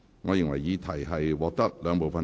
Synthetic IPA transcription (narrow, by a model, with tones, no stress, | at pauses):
ŋɔː˨˧jɪ˨ŋwɐ˨˩jiː˨˧t̪ʰɐ˨˩jɦɐ˨jwɔː˨˧k̚t̪ɐ˥k̚lœː˨˧ŋpo˨wfɐ˨n